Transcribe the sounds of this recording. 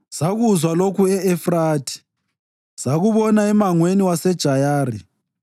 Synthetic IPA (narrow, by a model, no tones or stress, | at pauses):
z̥aɣuzwalokuɛɛfraːtʰi̥ | z̥aɣuβɔnaɛmaŋweniwasɛd̥ʒ̥ʱajaːrḭ